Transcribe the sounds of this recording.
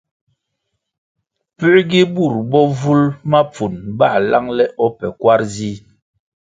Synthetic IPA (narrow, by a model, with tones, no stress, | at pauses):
pʉ˦ɡi˦bu˦˨ɾbɔ˦vu˦lma˦p͡fu˨nba˦˨la˦ŋlɛ˦ʔɔ˦pɛ˨kwa˦ɾzi˦